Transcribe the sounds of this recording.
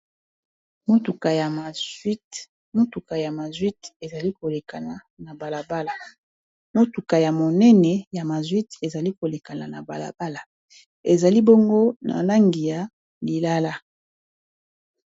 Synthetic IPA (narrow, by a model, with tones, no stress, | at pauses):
mo˦tu˨ka˨ja˨ma˨˦ | mo˦tu˨ka˨ja˨ma˨zwi˦te˨za˨li˦ko˨le˨ka˨na˨ | na˨ba˨la˨ba˦la˨ | mo˦tu˨ka˨ja˨mo˨nɛ˦nɛ˨ja˨ma˨zwi˦te˨za˨li˦ko˨le˨ka˨na˨na˨ba˨la̰˨ba˦la˨ | e˨za˨li˦bo˦ŋɡo˦na̰˨la˦ŋɡi˨ja˨ | li˨la˦la˦